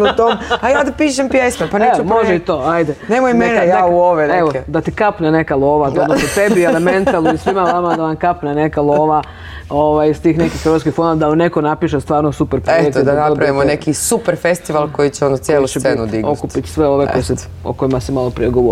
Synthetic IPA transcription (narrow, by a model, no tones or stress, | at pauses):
ut̪omajaːd̪apiːʃempjesmepaneumoʒeit̪o̞ːajd̪enemojmenejauoʋeneʋoed̪at̪ikapnenekaloʋat̪onosot̪ebielement̪alnuisʋimaʋamad̪aʋankapnenekalˠoːʋa | oʋajst̪iːxne̞kixɾʋat̪kixfonoad̪aamne̞konapiʃest̪ʋaːɾnosupeɾpɾoeek̪d̪anaopɾaʋimonekisupeɾfest̪iʋalˠko̞jit͡ɕɛonot̪sjeːlusenud̪iɡokupit̪sʋeo̞ʋekojesɛ | o̰ko̞jimasɛmalopɾijeɡoʋo